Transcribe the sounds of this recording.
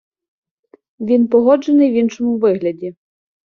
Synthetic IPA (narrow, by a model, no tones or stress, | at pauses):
ʋʲinpɔɦɔd͡ʒenɪjwinʃɔmʊʋɪɦlʲɐdʲi